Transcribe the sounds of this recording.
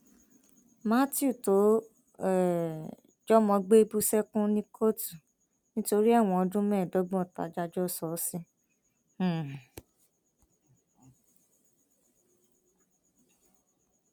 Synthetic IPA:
mã˦ti˦u˦˨to˨˦ | ɛ˨ | d͡ʒɔ˦mɔ̃˧ɡ͡be˦bu˦sɛ˦kũ˦nĩ˦kʰo˦tu˨ | nĩ˦to˧ɾi˦a˦˨w̃ɔ̃˧ɔ˧dũ˦mɛ̃ː˦˨dɔ˨˦ɡ͡bɔ̃˦˨ta̰˨˦d͡ʒa˦d͡ʒɔ˦˨sɔ˨˦sĩ˦˨

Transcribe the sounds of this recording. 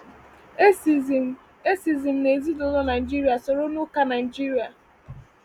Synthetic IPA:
e˦si˨zi˨m̩˨ne˨zi˦dɔ˨lɔ˦na˨i˨d͡ʒi˦ɾi˦a˨so˨ɾo˦nu˦ka˦na˨ɪi˨d͡ʒi˦ɾi˨a˨

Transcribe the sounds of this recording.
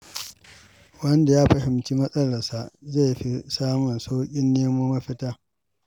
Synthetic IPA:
wɐ˦nda˨jaː˦ɸɐ˨hɪ˨mt͡ʃi˦mɐ˦sʼɐ˦lɐ˨rsa˨ʔze˦˨jɸi˦saː˦mʊ˨nsa˦wkʲʼɪ˦nːeː˦moː˦mɐ˦ɸɪ˦taː˦

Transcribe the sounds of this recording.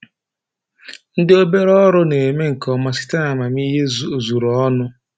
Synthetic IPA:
n̩˦dɪ˦o˦be˦ɾɔ˦ɾʊ˦ne˨me˦ŋ̩˨kɔ˨ma˨sɪ̥˦ta˦na˨ma˨mi˦ɦe˦˨zu˨ɾɔ˦nʊ˦

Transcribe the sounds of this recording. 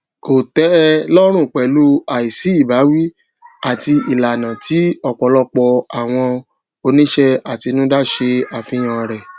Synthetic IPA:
ko˨tɛ˨˦lɔ˦ɾ̃ũ˦˨k͡pɛ˨˦lu˦a˨i˨si˨˦i˦˨ba˨˦wi˦ | a˦˨ti˧i˨la˨nã˨ti˨˦ɔ˦˨k͡pɔ˨˦lɔ˦k͡pɔ˧a˨w̃ɔ̃˧ | o˧nĩ˦ʃɛ˦a˨ti˧nũ˦da˦ʃe˧a˨fĩ˨˦j̃ã˧˨ɾɛ˨

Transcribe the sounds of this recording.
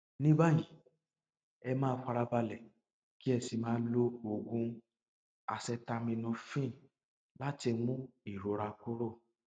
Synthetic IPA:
nĩ˦ba˦˨jĩ˨˦ | ɛ˧mãː˦k͡pa˧ɾa˧ba˧lɛ˨ | ki˦ɛ˧si˧mãː˦lo˦o˧ɡũ˦ | a˧sɛ˧ta˧mĩ˧nũ˧fĩ˦˨ | la˦ti˧mũ˦i˦˨ɾo˨˦ɾa˧ko˦ɾo˦˨

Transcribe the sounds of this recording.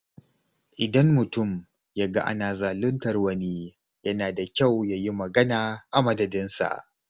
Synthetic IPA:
ʔɪ˨dɐ˦mːʊ˨tʊ˦˨m | ja˦ɡa˦ʔa̰˦naː˨zaː˨lʊ˦ntɐ˨rwɐ˦ni˦ | jɐ˦naː˨da˨kʲa˦˨wjaː˦ji˦mɐ˨ɡɐ˦naː˨ʔa˨mɐ˦dɐ˨dɪ˦nsa̰˨ʔ

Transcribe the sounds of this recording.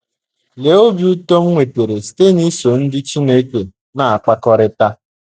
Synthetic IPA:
le˨˦o˦bi˦u˦tɔ˦ŋ̩˦ŋʷe˨te˨ɾe˨ste˦˨ni˦so˨n̩˦dɪ˦t͡ʃi˦ne˦ke˨ | na˨a˨k͡pa˦kɔ˦ɾɪ˦ta˦

